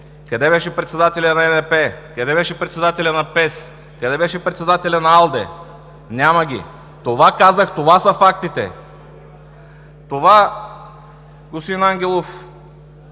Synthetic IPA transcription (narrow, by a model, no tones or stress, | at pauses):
kɐd̪ɛbɛʃɛpɾɛt̪sɛd̪at̪ɛlʲɐnɐɛnɛpɛkɐd̪ɛbɛʃɛpɾɛt̪sɛd̪at̪ɛlʲɐnɐpɛs | kɐd̪ɛbɛʃɛpɾɛt̪sɛd̪at̪ɛlʲɐnɐalˠd̪ɛ̰ | nʲaməɡʲḭ | t̪ovakazəxt̪ovasɐfakt̪it̪ɛ̰ | t̪ova | ɡosinaŋɡʲɛlˠof